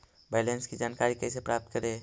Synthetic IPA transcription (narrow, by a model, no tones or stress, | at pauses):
bɛːlẽnskid͡ʒaːnkaːɾikɛɪsepɾaːp̚t̪̚kəɾeː